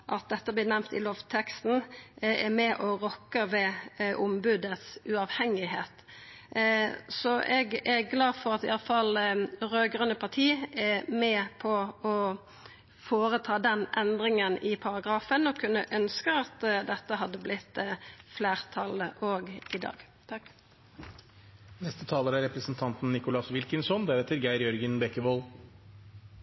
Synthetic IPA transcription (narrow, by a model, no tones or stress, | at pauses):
ʔɑt̪̚d̪ɛt̪ːəblɪːnæmt̪ɪ̰loːʋt̪ʰɛkst̪n̩ɛmɛʔɔʁɔkːəʋɛʔʊmbʉd̪ət̪sʉɑʋhɛŋɪɦeːt̪ | sɔʔɛɡɛɡlɑːdfɔʁɑt̪ɪʔɑləfɑlɾøːɡʁœnːəpʰɑt̪ʰiːʔɛmɛpʰɔɔ | foːʁət̪ʰɑːd̪ɛnʔɛnd̪ʁɪŋənɪpʰɑʁɑɡʁɑːfənɔkʰːʉnːəʔœnskəɑt̪d̪ɛt̪ːəɦɑd̪ːəblɪt̪ːfleːʁt̪ʰɑləʔoːɡɪd̪ɑ̰ːɡ | t̪ʰ | nɛst̪ət̪ʰɑːləɾæɾɛpɾəsnt̪ʰɑnt̪nnɪkʊlɑsʋɪlkənsɔnd̪æːɾɛt̪ʰːɪlɡæɪɾjɔɾɡənbɛkəboːl